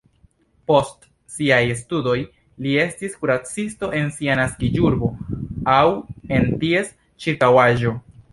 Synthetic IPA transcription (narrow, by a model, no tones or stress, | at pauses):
po̞st | siajstudo̞j | lie̞stiskuɾat͡sisto̞ʔe̞nsianaskid͡ʒuɾbo̞awe̞ntie̞s | t͡ʃiɾkawaʒo̞